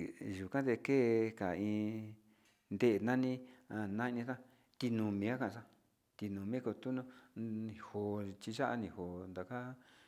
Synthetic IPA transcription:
ʒu˨kã˦t̪e˧keː˦ka˨ĩ˧ | nd̪e˦ʔnã˦nĩ˦a˧nã˦i˧nĩ˧tã˦ | t̪i˧nũ˧mĩ˧a˦kã˧ʔʂã˦ | t̪i˧nũ˨mĩ˦ko˧t̪u˦nõ˦ĩ˨ho˧t͡ʃi˧ʒa˦ʔa̰˧nĩ˧˨ho˨nd̪a˨ka˦

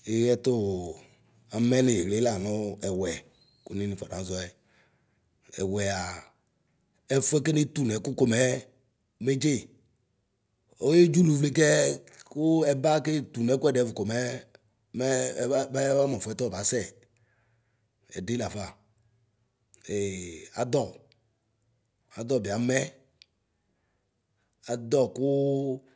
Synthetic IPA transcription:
e˨˦jɛ˦to˦ | a˨mɛ˦ne˨le˨˦la˨nʊ˦ɛ˨wɛ˨ | ku˨˦ni˦ni˨fɔ̰˨da̰˨˦zɔ˦ɛ˨ | ɛ̰˨wɛ˨a˨ | ɛ˦fu˦ɛ˦ke˦ni˦tu˨nɛ˨˦kʊ˦ko˦˨mɛ˦ | me˦d͡ʒe˦˨ | ɔ˦je˦d͡ʒu˦lu˨vle˦k̬ɛ˦kʊ˦ɛ˨ba˦ke˦˨t̪u˨nɛ˨˦kʊ˦ɛ˦ɖɛ˨˦vu˨ko˨mɛ˦ | mɛ˦bɛ˦a˦mɔ̃˨fu˨˦ɛ˦t̪ɔ˦˨ba˨˦sɛ˦˨ | ɛ̰˨de˨˦la˨fa˨ | e˨a̰˨d̪ɔ˦˨ | a˨d̪ɔ˦˨bi˨a˨˦mɛ˦ | a˨d̪ɔ˦˨kʊ˦

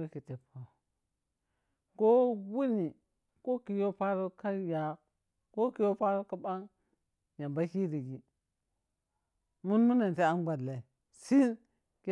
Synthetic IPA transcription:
e˦ki˨te˨po˨ | ko˦wu˦ni˨ | ko˦ki˨jo˦pa˦ɾo˦ka˦ja˨ | ko˦ki˨jo˦pa˦ɾo˦ka˦ba˦ŋ | ja˨ba˦ki˦ɾi˨ɡi˨ | mu˦nmu˦na˨n˨ti˦a˦n˦ɡ͡ba˨dla˨i˨ | si˦n | k

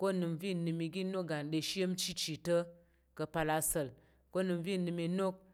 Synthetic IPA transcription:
ko˦nɨ˨mvi˦˨nɨ˧mi˧ɡi˦no˦ɡa˨n˨ɗe˧ʃi˦jə˦mt͡ʃi˦t͡ʃi˨tə˦ | kə˨pa˧la˧sə˨l | ko˦nɨ˨mvi˦˨nɨ˧mi˧no˦k̚

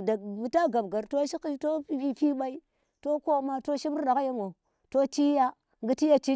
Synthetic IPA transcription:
da˨mu˨ta˦ɡa˨bɡa˨ɾto˦ʃi˦ki˦to˦i˦fi˦ɓa˦i˦ | to˦ko˦ma˦to˦ʃi˦bɗa˨ka˦ja˦ŋo˨ | to˦t͡ʃi˦ja˦ | ŋɡi˦ti˦ja˦t͡ʃi˦

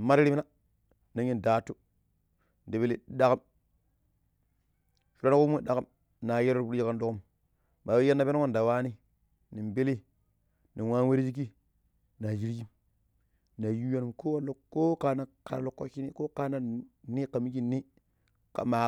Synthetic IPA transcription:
ma˦ɾɾi˦mi˦na˦ | na˨ɲi˦nda˨tu˦ | n˨de˨be˦li˨˦ɗa˦ka˦m | ʃu˨ɾa˦na˦ku˦m˦u˦ɗa˨ka˦m | na˨je˦ɾo˦ɾbu˦ɾd͡ʒi˦ka˦ndo˦ku˦m | ba˨we˦je˦na˨be˦n˦a˦nda˨wa˦ni˦ | ni˨mbe˦li˦ | ni˨nwa˦nwe˦ɾi˦d͡ʒi˦k̬i˦ | na˨d͡ʒi˦ɾɡi˦m | na˨ju˦ja˦nu˨ko˦wa˦lo˦kːo˦ka˨na˨ka̰˨ɾlo˨kːo̰˦ʃi˦ni˦ko˦ka˦na˦ni˦ka˨mi˦ɡi˦nːi˦ | ka̰˨ma˨

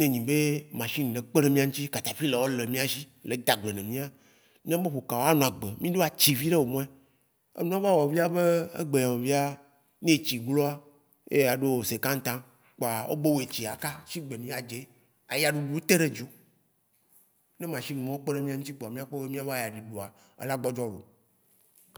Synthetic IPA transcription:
nẽ˨ɲĩ˨be˦mã˨ʃi˦ñ˨ɖe˨k͡pe˦ɖe˦mĩ˦a˦ŋũ˦t͡ɕi˦ka˨t̪a˨fi˦le˨wo˦le˨mĩ˦a˦ʃi˦le˨d̪a˨ɡ͡be˨nẽ˨mĩ˦a˦ | mĩ˦a˦be˦ɸo˨ka˨wo˦a˦nũ˨a˨ɡ͡be˨mĩ˦ɖo˦a˨t͡ɕi˨vi˦ɖe˦wo˨mɔ̃˦e˦ | ḛ˦nũ˦a˦va˦wɔ˨vi˦a˦be˦ḛ˦ɡ͡be˨ɲã˨wɔ˨vi˦a˦ | nẽ˦˨t͡ɕi˨ɡ͡blo˦a˦ | jḛ˦a˨ɖo˦wo˨se˨kã˦ŋ˦t̪ã˦ | k͡po˨a˨wo̰˦be˦wo˦˨e˨t͡ɕi˨a˨ka˦ʃi˦ɡ͡be˨nĩ˦a˨d͡ʒe˨˦ | a˨ja˨ɖu˨ɖu˨wo˦t̪e˦ɖe˦d͡ʒo˨ | ne˦m˨ã˨ʃi˦nũ˨mẽ˦wo˦k͡pe˦ne˦mĩ˦ã˦ŋ̩ũ˦t̪i˦ɡ͡bɔ˨a˨mĩ˦a˦k͡pe˦e˦mĩ˦a˦va˦˨ja˨ɖi˨ɖo˨a˨ | ḛ˦la˦ɡ͡bɔ˦d͡ʒɔ˦lo̰˨

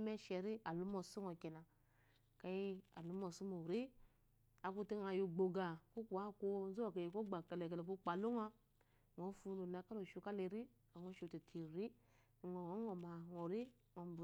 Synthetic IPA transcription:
mɛ˦ʃɛ˨ɾi˦a˨lu˦mɔ˧su˦ŋɔ˨ki˨na˨ | ka˨˦i˦a˨lu˦mɔ˨su˦mo˨ɾi˦ | a˨ku˦ti˦ŋa˧˨ju˧ɡ͡bo˨ɡa˨ku˦ku˨a˦ko˧˦n˦zu˦o˨ka˨i˨ko˦ɡ͡ba˨ka˨le˨ka˨le˨ku˦k͡pa˨lu˦ŋa˦ | ŋo˨˦fu˧no˨na˧ka˦lo˨ʃu˧ka˦le˧ɾi˦ | a˨ŋo˦ʃu˨˧˨ti˨tʰi˨ɾi˦˨ | ŋo˨ŋo˨˦ŋɔ˨ma˨ŋo˨ɾi˦ | ŋɔ˨˦b

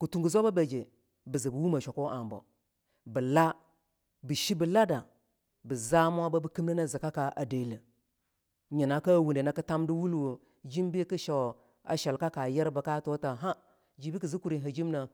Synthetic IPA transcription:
ku˨tu˨ŋɡu˨zo˦ba˦be˨d͡ʒe˨ | bi˨zi˨bu˨wu˦ma˨ʃo˨ko˦ʔa˨mbo̰˨ | bə˨la˦ | bi˨ʃi˦bi˨la˦da˨ | bə˨za˦m˦a˦ba˦bə˦ki˦m˦na˦na˦˨zi˨ka˦ka˨ʔa˨de˨lə˨ | ɲi˨na˨ka˦˨wu˨nde˨na˦kɨ˦ta˦mdi˦wu˦lwo˨ | d͡ʒi˦mbi˦ki˦ʃa˨ | a̰˨ʃa˨lka˦ka˨jɛ˦ɾba˨ka˦to˦ta˨ɦa˦ | d͡ʒi˨bi˦ki˨zi˦ku˨ɾi˨ɦa˨d͡ʒi˦m˦na˨

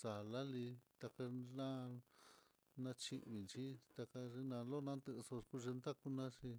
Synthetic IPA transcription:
sa˨la˦li˧t̪a˧ka˧nã˦ | nã˧t͡ʃi˧ʔβi˧nt͡ʃi˦t̪a˧ka˧ʐe˧nã˧lo˦˧nã˧nt̪ɨ˧so˧ku˦˧ʒe˧nd̪a˦ku˧nã˦ʂi˧

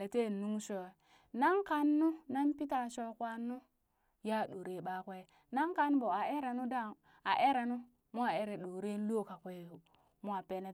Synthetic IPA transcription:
e˨te˦˨nu˦ŋʃo˨ | na˦ŋka˦nːu˦na˦npi˦ta˨ʃo˦kʷa˦nːu˦ | ja˦˨ɗo˨ɾe˨ɓa˦kʷe˦ | na˦ŋka˦nbo˨a˨e˦ɾa˨nu˦da˦˨ | a˨ʔe˦ɾa˨nu˦ | mo˦a˨e˦ɾe˨ɗo˨ɾe˦lo˦˨ka˨kʷe˨ | mo˦a˨pe˨ne˦

